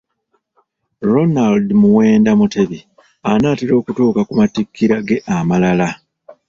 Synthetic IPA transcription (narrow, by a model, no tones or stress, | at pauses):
ɾo̞naldmuwe̞ːndamute̞βi | anaːtiɾo̞ːkutuːkakumatikʰːiɾaɡe̞ʔamalala